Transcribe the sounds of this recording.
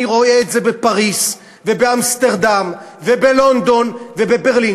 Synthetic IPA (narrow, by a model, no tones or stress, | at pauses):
iʁo̞eetze̞be̞paʁis | ve̞beamst̪eʁd̪am | vebelo̞nd̪o̞nvebebe̞ʁli